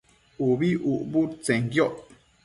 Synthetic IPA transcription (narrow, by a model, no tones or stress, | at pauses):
ubiʔuʔbut͡sɛŋɡjɔʔ